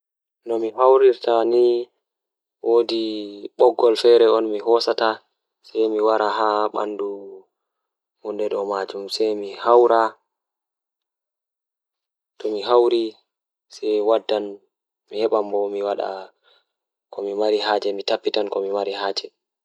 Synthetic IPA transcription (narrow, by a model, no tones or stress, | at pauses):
nɔmiɦawɾiɾtani | wodiɓɔɡːɔlfɛɾɛɔnmiɦɔsata | sɛjmiwaɾaɦaɓa̰ndu | mundɛɗɔmad͡ʒumsɛjmihawɾa | tɔmiɦawɾi | sɛjwadːan | mihɛɓambɔmiwaɗa̰ | kɔmimaɾiɦaːd͡ʒɛmitapːitankɔmimaɾihaːd͡ʒɛ